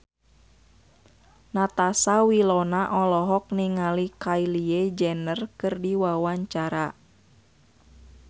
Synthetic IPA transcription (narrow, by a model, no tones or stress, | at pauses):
nat̪asawilɔnaʔɔlɔɦɔk̚niŋalikailied͡ʒɛnərkɨrdiwawaɲt͡ʃaɾa